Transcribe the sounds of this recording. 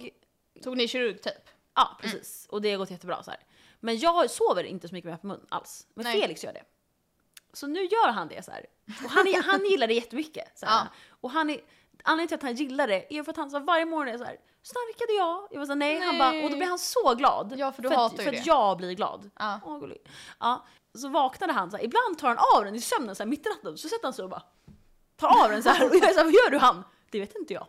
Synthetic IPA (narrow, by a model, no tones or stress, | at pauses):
ɡ̪ʰ | uːɡnɪʃɪɾɵɾɡt̪ʰyːp | ʔɑ̰ːpʰɾɛsḭːsɔd̪ɛɡɔt̪ːjɛt̪ːəbɾɑ̰ːsaæ̰ːɾ | mɛnjɑːɡsoːvəɾɪ̰nt̪əsɔmʏkːəmepʰɔmɵ̰nːʔa̰lsmɛnfeːlɪksjœ̰ːɖɛ̰ | sɔnʉ̟ːjœːɾɦand̪ɛ̰sæ̰ːɾ | ɔɦanɦanjɪlːaɖ̪ɛjɛt̪ːəmʏkːə̰saɔɦanːɛ | anleːŋnt̪ɪlat̪hanjɪlːaɖɛʔæɾjʏfœɾat̪hansaːvaɾjəmɔːnɔnɛsæ̰ːɾ | snaɾkad̪əjɑɡjavas̬aːnɛjhanbɔd̪ɔblɪvhansɔɡlɑ̰ːd̪fdœɾafœɾat̪jɑːɡblɪɾɡlɑ̰ːd̪ɔɡʊ̰l̰ʔɑː | sɔvɑːknad̪əɦansæːɾɪbland̪t̪ʰɑːɾhanavd̪ɛnɪsœmnənsæːɾmɪt̪ːɾat̪ːənsɔsɛt̪ːəhansɔɔbɑ̰ | t̪ʰɑːɾɑvd̪ɛnsahæɾɔjɑːɛɾsæːɾvajœːɖɵɦan | d̪̥ɛveːt̪ɪnt̪əjɑ̰ː